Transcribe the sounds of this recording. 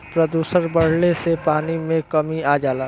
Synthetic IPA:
pɾəd̪uːsəɾbɐɽ̤lesepaːnimẽkɐmiaːd͡ʒaːlaː

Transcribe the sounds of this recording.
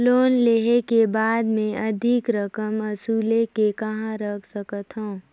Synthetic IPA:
loːnleɦekebaːd̪mẽʔɐd̪ʱɪkɾəkəməsuːlekekɐɦãɾəkʰsəkət̪ɦõː

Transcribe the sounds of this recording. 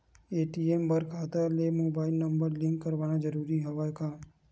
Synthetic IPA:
eːʈiembɐɾkʰaːt̪alemoːbaːɪlnɐ̃mbəɾlɪ̃ŋkːɐɾʋaːnad͡ʒɐɾuːɾiɦɐʋaːkaː

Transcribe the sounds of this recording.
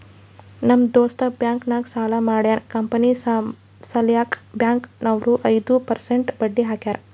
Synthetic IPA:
nɐmd̪oːst̪ɐbjaːŋknaːksaːlamaːɽjaːnkɐmpɐni | sɐljaːkbjaːŋknɐʋɾuʔɐjd̪upɐɾseɳʈbɐɖːiɦaːkjaːɾɐ

